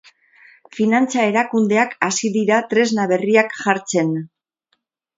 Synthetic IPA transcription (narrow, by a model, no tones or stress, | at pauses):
finant͡sae̞ɾakund̪e̞akasiðiɾat̪ɾe̞znaβe̞riakʝaɾt͡se̞n